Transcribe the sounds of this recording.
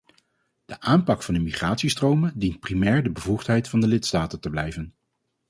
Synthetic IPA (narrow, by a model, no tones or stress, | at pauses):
d̥əʔaːmpɑkfɑndəmiχraːtsistrowməndint̚primɛːɹdəbəvuχtɦɛjtfɑndəlɪtstaːtəntəblɛjvən